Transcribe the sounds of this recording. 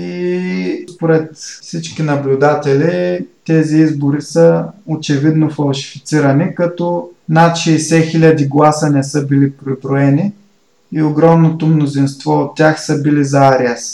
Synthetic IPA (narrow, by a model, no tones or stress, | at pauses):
ispoɾɛt̪fsit͡ʃkinɐblʲʊd̪at̪ɛlit̪ɛziizboɾisəot͡ʃɛvid̪nofɐlˠʃi̥fit̪siɾɐnikɐt̪ɔnat̪ʃɛːsɛxilʲɐd̪iɡlˠasənɛsɤbilipɾibɾoɛni | ioɡɾɔmnot̪omnozinst̪vɔot̪ːʲaxsəbilizɐaɾiəs